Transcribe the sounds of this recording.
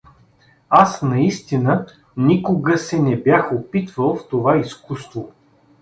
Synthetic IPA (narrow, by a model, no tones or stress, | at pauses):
asnɐist̪inə | nikʊɡəsɛnɛbjaxopit̪vəlˠft̪ovaiskust̪vo